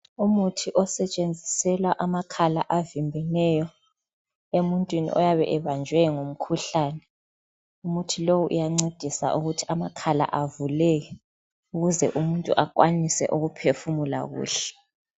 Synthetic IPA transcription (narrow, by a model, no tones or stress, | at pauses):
umutʰiʔɔsɛt͡ʃʼend͡zʱisɛlwaʔamakʰalaʔavimbʱɛnɛjɔ | emuntʼwinḭʔɔ̰jaβɛ̰ʔɛβand͡ʒʱwɛŋom̩kʰuɬaːnɛ | umutʰilowuʔṵjaŋ͡ǀed̥ʱisa̰ʔuɣutʰi̥amakʰala̰ʔavulɛɣɛ | uɣuzɛʔumuntʼṵʔak̬ʼwanisɛ̰ʔuɣupʰefumula̰ɣṵːɬɛ̥